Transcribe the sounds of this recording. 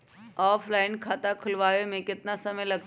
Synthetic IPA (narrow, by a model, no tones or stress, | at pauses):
ɔːfʰlaɪnkʰat̪akʰʊlʋaːʋemẽkɪt̪nasəməjləɡ̪